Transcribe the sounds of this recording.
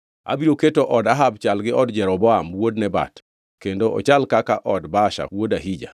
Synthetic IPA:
a̰biɾoketoʔɔdaɦabt͡ʃalɡɪʔɔdd͡ʒɛɾɔbɔamwodnɛba̰t | kendoʔɔ̰t͡ʃalkakaʔɔdbaʃa̰wodaɦid͡ʒa̰

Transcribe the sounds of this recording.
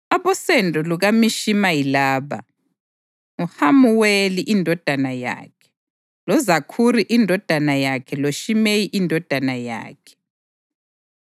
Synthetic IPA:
aβɔsɛndʱɔluɣamiʃimajilaːβa̰ | ŋuhamuweliʔindʱɔd̥ʱanaja̰ːkʰɛ̥ | lɔzakʰuriʔindʱɔd̥ʱanajakʰɛloʃimejiʔindʱɔd̥ʱanaja̰ːkʰɛ̥

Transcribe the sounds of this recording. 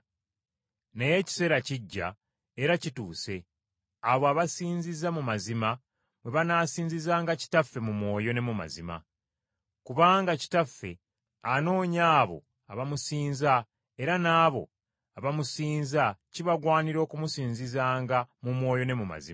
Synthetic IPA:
ne̞je̞ci̥se̞ːɾaciɟːa̰ | eɾacituːse̞ | aβoaβasiːɲzizamumazima | mwe̞βanaːsiːnzizaːŋɡaci̥tafːe̞mumwo̞ːjo̞ne̞muma̰zima̰ | kuβaːŋɡaci̥tafːe̞ | ano̞ːɲaːβo̞̰ | a̰βamusiːnza | e̞ɾanaːβo̞̰ | aβamusiːnzaciβaɡwaːniɾo̞ːkumusiːnzizaːŋɡamumwo̞ːjo̞ne̞muma̰zḭm

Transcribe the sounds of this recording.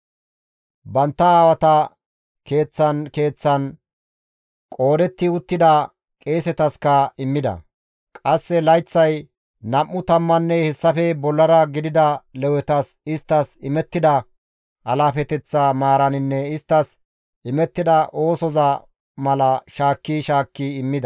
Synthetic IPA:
bɐnt̪ːɐaːwɐt̪ɐ | ke̞ːt͡sːɐnke̞ːt͡sːɐn | kʼo̞ːd̪ɛt̪ːɪʊt̪ːɪd̪ɐ | kʼe̞ːsɛt̪ɐskɐɪmːɪd̪ɐ̰ | kʼɐsːɛlɐjt͡sːɐj | nɐʔːʊt̪ɐmːɐnːɛhɛsːɐfɛbɔlːɐɾɐɡɪd̪ɪd̪ɐlɛwɛt̪ɐs | ɪst̪ːɐsɪmɛt̪ːɪd̪ɐ | ʔɐlaːfɛt̪ɛt͡sːamaːɾɐnɪnːɛɪst̪ːɐs | ʔɪmɛt̪ːɪd̪ɐʔo̞ːsɔzɐ | mɐlɐʃaːkːiʃaːkːiɪmːɪd̪ɐ

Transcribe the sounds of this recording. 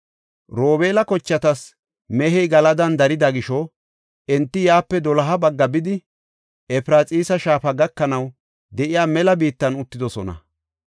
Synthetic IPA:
ɾo̞ːbe̞ːlɐkɔt͡ʃːɐt̪ɐs | mɛɦɛjɡɐlɐd̪ɐnd̪ɐɾɪd̪ɐɡɪʃɔ | ɛnt̪ːɪjaːpːɛd̪ɔlɐɦɐbɐɡːɐbɪd̪ɪ | ɛfɾaːt͡sʼiːsɐʃaːfɐɡɐkːɐnɐw | d̪ɛʔɪjaːmɛlɐbiːt̪ːɐnʊt̪ːɪd̪ɔsɔnɐ̰

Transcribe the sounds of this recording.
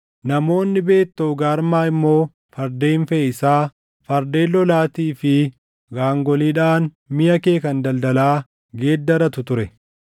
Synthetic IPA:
nɐmo̞ːnːɪbe̞ːt̪ːoɡaːɾmaːɪmːo̞ː | fɐɾd̪eːɱfɛɪsaː | fɐɾd̪e̞ːlːɔlaːt̪iːfɪ | ɡaːŋɡɔliːᶑaːn | mɪjɐkeːkɐnd̪ɐld̪ɐlaː | ɡe̞ːd̪ːɐɾɐt̪ʊt̪ʊɾɛ

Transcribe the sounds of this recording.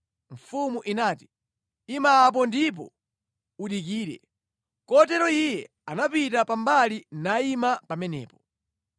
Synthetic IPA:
ɱ̩fumuʔinaːti̥ | imaːp̬ɔndip̬ɔ̰ | uɗik̬iːɾɛ̰ | kɔt̬ɛɾɔijɛ | anapitapambalinaimapamɛnɛ̰ːpɔ̥

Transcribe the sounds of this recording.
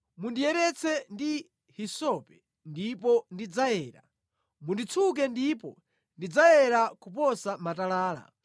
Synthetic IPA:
mundijɛɾɛt͡sʰɛndi | hisɔpɛ | ndipɔndid͡zajɛːɾa̰ | mundit͡sʰuk̬ɛndipɔ | ndid͡zajɛɾakup̬ɔsamatalaːla̰

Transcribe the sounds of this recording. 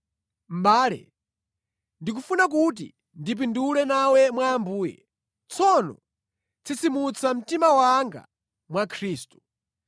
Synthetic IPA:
m̩ɓaːlɛ̰ | ndik̬ufunak̬ut̬ḭ | ndip̬indulɛnawɛmwaːmbuːjɛ̰ | t͡sʰɔnɔ̰ | t͡sʰit͡simut͡sʰam̩timawaŋɡa̰ | mwakʰɾiːstu̥

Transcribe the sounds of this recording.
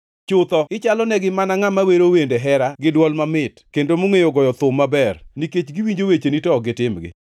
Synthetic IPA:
t͡ʃʊt̪ɔɪt͡ʃalɔnɛɡɪmanaŋamaweɾowendeɦɛɾaɡɪdwɔlmamɪtkendomoŋejoɡɔjɔt̪ʊmːabɛrniket͡ʃɡiwiɲd͡ʒowet͡ʃenitɔɡɪtɪmɡɪ̰

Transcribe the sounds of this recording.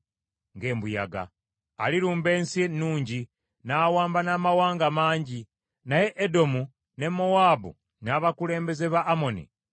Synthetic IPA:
ŋɡe̞ːmbuja̰ɡa̰ː | liɾuːmbe̞ːnsienuːɲɟi | naːwaːmbanaːmawaːŋɡamaːɲɟi | naje̞ʔːdo̞mu | ne̞mowaːbṵ | naβakule̞ːmbe̞ze̞βaʔːmo̞nḭ

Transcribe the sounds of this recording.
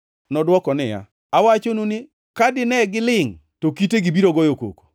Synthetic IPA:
nɔdwɔkɔnɪja̰ | awat͡ʃonunɪ | kadɪnɛɡɪlɪŋtokiteɡɪbiɾoɡɔjoko̰ko̥

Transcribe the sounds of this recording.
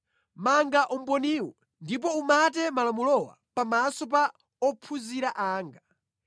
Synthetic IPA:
maŋɡaʔɔm̩pɔniːwɔ | ndip̬ɔumatɛmalamulɔwa̰pamasɔpa | ɔpʰuziɾaʔaːŋɡa

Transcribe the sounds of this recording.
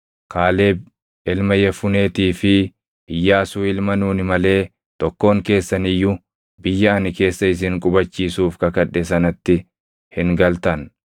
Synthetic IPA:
kʰaːle̞ː | ɪlmɐjɛfʊne̞ːt̪iːfɪ | ʔɪjːaːsuːɪlmɐnuːnɪmɐle̞ː | t̪ɔkːo̞ːŋke̞ːsːɐnɪjːʊ | bɪjːɐɐnɪke̞ːsːɐɪs̬ɪŋkʼʊbɐt͡ʃːiːsuːfkɐkɐᶑɛs̬ɐnɐt̪ːɪ | hɪŋɡɐlt̪ɐn

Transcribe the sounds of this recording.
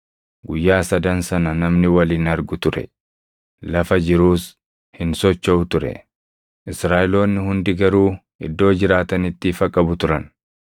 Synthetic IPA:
ɡʊjːaːsɐd̪ɐnsɐnɐnɐmnɪwɐliːnɐɾɡʊt̪ʊɾɛ̰ | lɐfɐd͡ʒɪɾuːs | hɪnsɔt͡ʃːɐʊt̪ʊɾɛ̰ | ʔɪsɾaːʔɪlo̞ːnːɪhʊnd̪ɪɡɐɾuː | ɪ̰d̪ːo̞ːd͡ʒɪɾaːt̪ɐnɪt̪ːɪfɐkʼːɐbʊt̪ʊɾɐn

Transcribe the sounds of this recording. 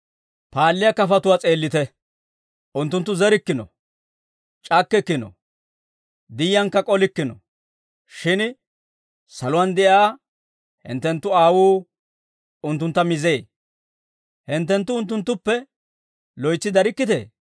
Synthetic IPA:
paːlːɪjɐkɐfɐt̪ʊwaːt͡sʼe̞ːlːɪt̪ɛ | ʔʊnt̪ːʊnt̪ːʊzɛɾɪkːɪnɔ̰ | t͡ʃʼɐkːɛkːɪnɔ̰ | d̪ɪjjɐŋkːɐkʼɔlɪkːɪnɔ̰ | ʃɪn | sɐlʊwand̪ɛʔjaː | hɪ̰nt̪ːɛnt̪ːʊaːwuː | ʊnt̪ːʊnt̪ːɐmɪze̞ː | hɪnt̪ːɛnt̪ːʊʊnt̪̬ːʊnt̪ːʊpːɛ | lɔjt͡sːɪd̪ɐɾɪkːɪt̪ḛː

